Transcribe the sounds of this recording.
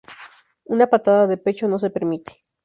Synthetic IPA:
unapat̪aðaðe̞pe̞t͡ʃo̞no̞s̬e̞pe̞ɾmit̪e̥

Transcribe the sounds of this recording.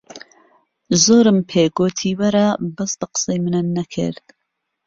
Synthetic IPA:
zoːɾɨmpʰeːɡoːt̪ʰiːwɐɾɐbɐst̪aqɨ̥sejmɨnɐnːɐkʰɨ̰ɾd̪̥

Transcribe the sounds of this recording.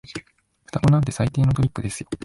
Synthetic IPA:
ɸɯ̟̥t̪amonaɯt̪e̞sait̪e̞ːnot̪o̞pʲikːɯ̟d̪e̞sɨjo

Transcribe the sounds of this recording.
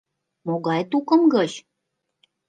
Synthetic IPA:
moɣɑjt̪ukɤ̆mɡɤt͡ɕ

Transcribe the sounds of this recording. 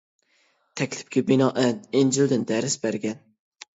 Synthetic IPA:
t̪ʰɛkʲlɪ̥p̚kʲʰɛbɪnɑːʔænind͡ʒild̪ɪnd̪æɾɪsbæɾɡʲɛn

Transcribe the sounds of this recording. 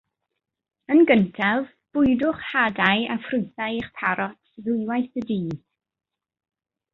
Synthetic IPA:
ənɡəntʰav | b̥ʊɨdʊχhadajafrʊɨθaɨiχpʰaɾɔtʰðʊɨwajθədiː

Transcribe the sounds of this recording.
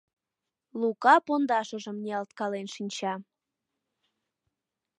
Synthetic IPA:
lukɑpond̪ɑʃə̆ʒə̆mneɑlt̪kɑlenʃinʲt͡ɕɑ

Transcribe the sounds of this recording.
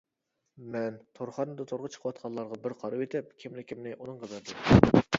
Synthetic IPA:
mɛnt̪ʰoɾχɑɾnɨd̪ɑt̪ʰoɾʁət͡ʃʰə̥qʰəwɑt̪qʰɑnlˠɑɾʁɑbɪɾqʰɑɾɨwet̪ʰɪp̚kʲʰimlɪkʲimnɪʔunɨŋqɑbæɾd̪ɪm

